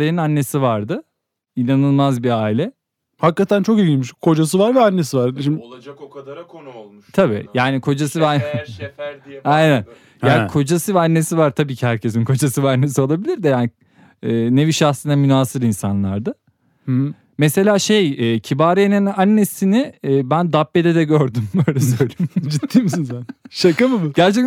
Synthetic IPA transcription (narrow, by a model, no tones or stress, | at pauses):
ajananːe̞sivaɾd̪ɯ | inanɯlˠmazbiaːilʲɛ | hakːat̪ʰænt͡ʃʰo̞kejilʲmiʃkʰo̞d͡ʒas̬ɯvaɾvɛanːe̞sivaɾʃim | t̪ʰabḭːjaːnikʰo̞d͡ʒasɯvan | anɛt̪ | aːkʰo̞d͡ʒasɯvɛanːe̞sivaɾt̪ʰabiːcʰihæɾcʰe̞s̬inkʰo̞d͡ʒasɯvɛanːe̞sio̞lˠabilʲiɾd̪ɛjaːniː | ne̞viʃaxsɯnamynaːsɯɾinsanlˠaɾd̪ɯ | mese̞lʲaːʃejɛːcʰibaːɾijenɛnanːe̞sinɪːbænd̪apːe̞d̪ɛd̪ɛɟøɾd̪ymbøjlʲɛsøjlʲimd͡ʒit̪ʰːiːms̬insænʃakɯmɯbuɟæɾt͡ʃʰɛ